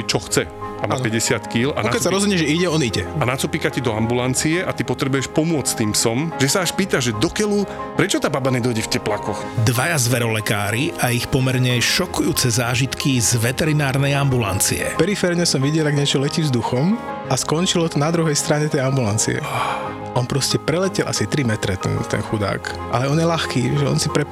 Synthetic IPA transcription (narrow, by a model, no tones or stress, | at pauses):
t͡ʃɔxt͡sɛʔa̰mapɛɟɛsɪat̪kiːla̰akɛsaɾɔzɦɔdɲɛʒɛiɟɛɔniɟɛanat͡supikacid̪ɔambulant͡siɛʔat̪ipɔt̪ɾɛbujɛʃpɔmʊɔt͡st̪iːmsɔmʒɛsaaʃpiːt̪aʒʒɛd̪ɔkɛlu | pɾɛt͡ʃɔt̪aːbabanɛd̪ɔjɟɛfcɛplakɔxd̪ʋajazʋɛɾɔlɛkaːɾiʔaixpɔmɛɾɲɛʃɔkujuːt͡sɛzaːʒit̪kizʋɛt̪ɛɾinaːɾnɛjambula̰nt͡sḭɛ̰pɛɾifɛɾɲɛsɔmʋiɟɛlaɡɲɪɛt͡ʃɔlɛciːzd̪uxɔm | ʔaskɔnt͡ʃilɔt̪ɔnad̪ɾuɦɛjst̪ɾaɲɛt̪ɛjambulant͡sḭɛ̰a | ɔnpɾɔscɛpɾɛlɛcɛlʔa̰sit̪ɾimɛt̪ɾɛt̪ɛ̰nt̪ɛ̰nxud̪a̰ːk | ʔa̰lɛɔnjɛlaxkiːʒɛɔ̰nsipɾɛ